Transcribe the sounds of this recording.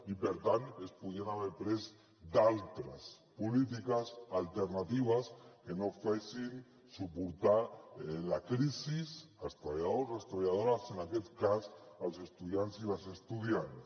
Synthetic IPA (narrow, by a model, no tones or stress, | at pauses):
ipeɾt̪anespuðianaβeɾpɾez | d̪alt̪ɾas | pulit̪̬ikasalt̪eɾnat̪iβ̞askenofasin | supuɾt̪alakɾisisast̪ɾaβajaðosast̪ɾaβajaðoɾasenaket̪kasalsest̪uðjansilasest̪uðjans